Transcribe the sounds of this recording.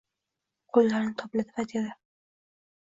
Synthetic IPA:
qʰolːaɾnɪt̪ʰɒplat̪ʰɪvat̪ʰed̪ɪ

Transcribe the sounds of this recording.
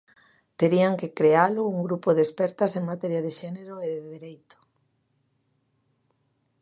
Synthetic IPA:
t̪eɾiaŋkekɾealʊuŋɡɾupoðespɛɾt̪aseŋmat̪ɛɾjaðeʃɛneɾoʊeðeðiɾejt̪ʊ̥

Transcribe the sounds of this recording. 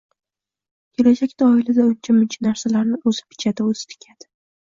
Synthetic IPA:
kʰʲɪlad͡ʒakʲd̪̥aːɪlad̪aʊnt͡ʃʰamʊnt͡ʃʰanaɾsalaɾnɪɵzɪ̥pʰɪ̥t͡ʃʰad̪aɵzɪt̪ʰɪ̥kʲʰad̪̥ɪ̥

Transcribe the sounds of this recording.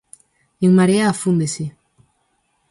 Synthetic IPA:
eŋmaɾeaːfund̪esi

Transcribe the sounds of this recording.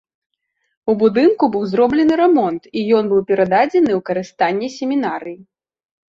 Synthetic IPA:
ubud̪ɨnkubɨwzɾɔblʲɛnɨɾɛmɔnt̪ijɔnbɨwpʲɛɾad̪ad͡zʲɛnɨwkɐɾɨst̪anʲːɛsʲɛmʲinaɾɨji

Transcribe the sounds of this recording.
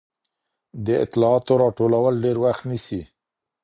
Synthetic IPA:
d̪əɪ̰t̪ɪlɑɑt̪oɾɑʈolawəlɖeɾwaxt̪nisi

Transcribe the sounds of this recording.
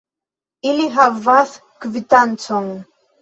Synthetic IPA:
iliɦavːaθ | kvitãnt͡sɔ̃ŋ

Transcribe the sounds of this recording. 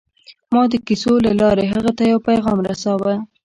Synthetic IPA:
mɑd̪əkisolalɑɾeɦəɣat̪ajawpajɣɑmɾasawə

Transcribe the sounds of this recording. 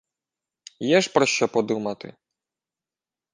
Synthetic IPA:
jɛʒpɾɔʃt͡ʃɔpɔd̪umɐt̪ɪ̰

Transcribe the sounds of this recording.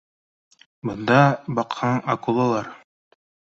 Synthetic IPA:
bɤ̆nd̪ɑbɑqhɑɴɐkulˠɑlˠɑɾ

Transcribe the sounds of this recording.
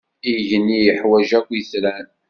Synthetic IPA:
iʝnːijəħwæʒækʷːjəθɾæn

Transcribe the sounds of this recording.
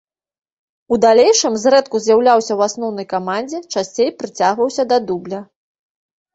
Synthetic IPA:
ud̪alʲejʂɨmzɾɛt̪kuzʲjawlʲawsʲɐwasnɔwnɐjkamanʲd͡zʲɛt͡ʂasʲt͡sʲejpɾɨt͡sʲaɣvɐwsʲɐd̪ɐd̪ublʲɐ

